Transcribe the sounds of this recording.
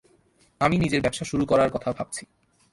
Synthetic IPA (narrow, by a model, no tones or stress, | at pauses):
aminid͡ʑeɾbɛbʃaʃuɾukɔɾaɾkɔt̪ʰabʱab̚t͡ɕʰi